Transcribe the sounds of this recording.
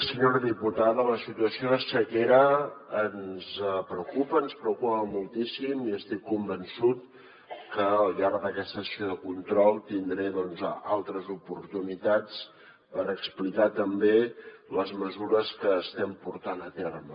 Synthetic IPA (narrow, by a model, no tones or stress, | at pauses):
səɲoɾəðiput̪aðələsit̪uəsioəsəkeɾəːnzpɾəwkupəːnspɾəwkupəmulˠt̪isimiəst̪ikːumbənsut̪̚ | kəʎaɾðəkɛst̪əsioðəkunt̪ɾɔlˠt̪ind̪ɾɛðɔnzalˠt̪ɾəzupuɾt̪unit̪at͡s | pəɾəksplikat̪əmbeləzməzuɾəskəːst̪ɛmpuɾt̪anət̪ɛrmə